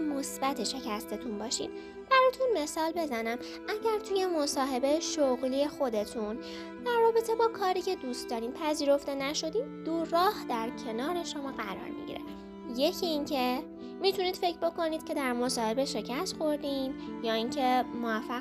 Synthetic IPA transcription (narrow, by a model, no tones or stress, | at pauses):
mosbæt̪ʰeʃe̞cʰæst̪ʰe̞t̪ʰunbɒːʃḭːd̪̥ | b̥æɾɒːjt̪ʰunme̞sɒːlbe̞zænæm | ʔæɟæɾt̪ʰuːje̞mosɒːɦe̞be̞ʃoɣliːe̞xo̞d̪e̞t̪ʰun | d̪æɾːɒːbe̞t̪ʰe̞bɒːkʰɒːɾiːcʰe̞d̪uːst̪d̪ɒːɾiːm̚pʰæziːɾo̞ft̪e̞næʃo̞d̪iːdd̪̥uɾːɒːhd̪æɾcʰe̞nɒːɾe̞ʃo̞mɒːɢæɾɒ̰ːɾmḭɟḭɾe | je̞cʰiːncʰe̞ | mit̪ʰuniːd̪̥fe̞cʰbo̞ko̞niːd̪̥cʰʲe̞d̪æɾmo̞sɒːhe̞beʃe̞cʰæst̪xo̞ɾd̪injɒːiːŋcʰe̞mo̞væfːæɣ